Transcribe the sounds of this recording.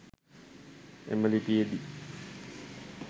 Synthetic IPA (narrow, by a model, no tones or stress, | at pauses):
ḛməlipiəd̪i